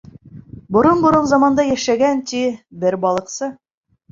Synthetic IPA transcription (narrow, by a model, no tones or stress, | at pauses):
bŏɾonbŏɾonzɑmɑnd̪ɑjæʃæɡænt̪ibɘɾbɑlˠɤ̆qsɤ